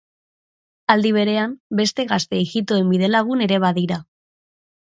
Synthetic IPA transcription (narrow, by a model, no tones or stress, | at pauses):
ald̪iβ̞e̞ɾe̞ambe̞st̪e̞ɣast̪e̞ːɣit̪oe̞mbiðe̞laɣ̞une̞ɾe̞β̞aðiɾa